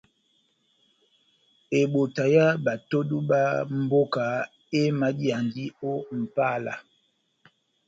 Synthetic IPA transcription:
e˨ɓo˨ta˨ja˦ba˨to˦du˦ba˦m̩˦bo˦ka˨ | e˦ma˨di˦a˨ndi˦o˦m̩˨pa˦la̰˨

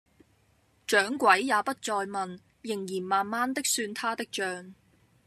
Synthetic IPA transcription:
t͡ʃœː˨˥ŋkʷɐ˨˥jːaː˨˧pɐ˥t̚t͡ʃɔː˧jmɐ˨n | jɪ˨˩ŋjiː˨˩nmaː˨˩nmaː˥nt̪ɪ˥k̚syː˧nt̪ʰaː˥t̪ɪ˥k̚t͡ʃœː˨˧ŋ

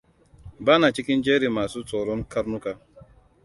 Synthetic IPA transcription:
ba˦na˨t͡ʃi˦ki˦n̩˦d͡ʒe˦ɾi˨ma˨sʊ˦tɔ˨ɾɔ˦n̩˦ka˦ɾnu˦ka˦

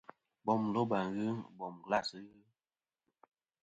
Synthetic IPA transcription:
bɔ˨mlo˦ba˨ɣɨ˦bɔ˨mɡla˦˨sɨ˦ɣɨ˦

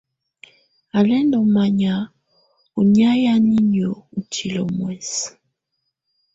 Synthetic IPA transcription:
a˨lɛ˦ndɔ˨ma˨ɲa˨ | o˨ni˦a˦ja˦ni˦ɲ˨o˨u˨t͡ʃi˨lɔ˨mwɛ˨s

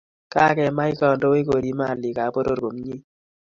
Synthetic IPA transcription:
ka˦kɛ˨ma˦ɪ˦kɔ˨ndo˦we˦ko˨ɾi˦ma˦˨lɪ˨ka˨po˦ɾo˦ɾɡo˨mɲi˦

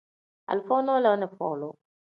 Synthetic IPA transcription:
ʔa̰˨lfo˦nɔ˦la˨˦nɛ˨fɔ̰˨lo

